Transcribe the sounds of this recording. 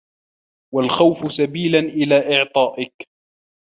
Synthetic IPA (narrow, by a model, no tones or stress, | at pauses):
walxawfʊsabiːlanʔɪlaːʔɪʕt̪ˤɑːʔɪk